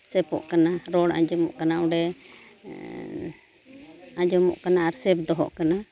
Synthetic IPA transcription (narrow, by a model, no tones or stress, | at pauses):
sɛpɔ̰ʔkanaɾɔɽa̰d͡ʒɔmɔ̰ʔkanaɔ̃ɖɛ | ad͡ʒɔmɔ̰ʔkanaaɾsɛp̚d̪ɔɦɔ̰ʔkana